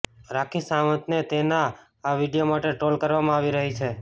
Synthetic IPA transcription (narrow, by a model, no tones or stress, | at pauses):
ɾakʰĩsaʋə̃t̪net̪enaː | ʋiɖijomaʈeʈolkəɾʋamãaʋiɾəɦit͡ʃʰe